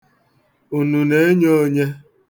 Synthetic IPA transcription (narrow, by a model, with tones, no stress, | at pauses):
u˨nu˨ne˦ɲo˦ɲe˦